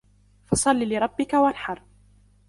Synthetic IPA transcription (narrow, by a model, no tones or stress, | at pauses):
fɑsˤɑlːilɪɾˤɑbːɪkawanħɑɾˤ